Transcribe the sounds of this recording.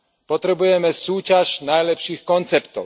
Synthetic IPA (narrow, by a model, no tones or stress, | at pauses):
pɔt̪ɾɛbujɛmɛsuːcaʃnajlɛpʃiːxkɔnt͡sɛpt̪ɔ̰ʊ